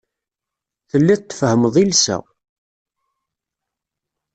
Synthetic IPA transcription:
θəlːiðt̪ːfəhəməðˤilsæ̰

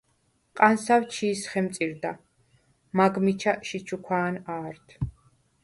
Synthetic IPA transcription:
qʼansawt͡ʃʰiːsχɛmt̪sʼiɾd̪a | maɡmit͡ʃʰaʃit͡ʃʰukʷʰwaːnaːɾt̪ʰ

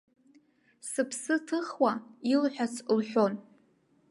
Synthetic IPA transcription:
sɨpʰsɨtʰɨχwailħʷᶣat͡sʰlħʷᶣo̞n

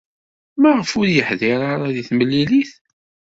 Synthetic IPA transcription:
mæʁəfʊɾjəħðɪɾˤaɾˤaðiθməlːiliθ

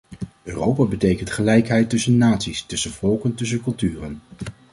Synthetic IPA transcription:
øːrowpaːbətejkəntχəlɛjkɦɛjtɵsənːaːtsistɵsənvɔlˠkəntɵs̬əkɵlˠtyːrən

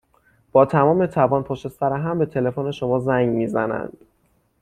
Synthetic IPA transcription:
b̥ɒːt̪ʰæmɒːme̞t̪ʰævɒːnpʰoʃe̞sæɾeɦæmbe̞t̪ʰe̞le̞fone̞ʃomɒːzæŋɡmiːzænæ̰nd̪̥

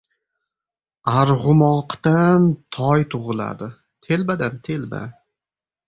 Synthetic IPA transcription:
aɾʁʊmɒqt̪ant̪ʰɒjt̪ʰʊʁɨlˠa̰d̪ɪ | t̪ʰe̞lbad̪ant̪ʰe̞lba̰

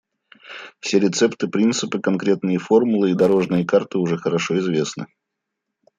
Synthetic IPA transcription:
fsʲeɾʲɪt̪sɛpt̪ɨpɾʲint̪sɨpɨkɐnkɾʲe̞t̪nɨjəfo̞rmʊlˠɨid̪ɐɾo̞ʐnɨjəkart̪ɨʊʐɛxəɾɐʂo̞ɪzvʲesnɨ̰

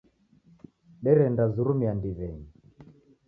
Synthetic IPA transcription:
ɗɛɾɛndazuɾumiandiβɛɲi

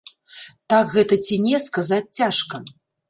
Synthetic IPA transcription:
t̪akɣɛt̪ɐt͡sʲinʲɛskazat͡sʲt͡sʲaʂkɐ

